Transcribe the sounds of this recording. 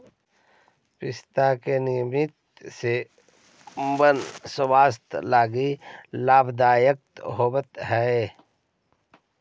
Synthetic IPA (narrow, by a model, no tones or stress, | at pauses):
pɪst̪aːkenimit̪̚ | se | ʊmbənsəwaːst̪laːɡilaːbd̪aːjək̚t̪ɦoːbət̪ɦɛe